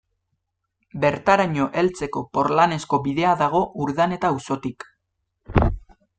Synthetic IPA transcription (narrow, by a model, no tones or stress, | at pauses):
be̞ɾt̪aɾaɲo̞ʔe̞lt͡se̞ko̞po̞ɾlane̞sko̞βiðe̞aðaɣ̞o̞ʔuɾðane̞t̪auso̞t̪ik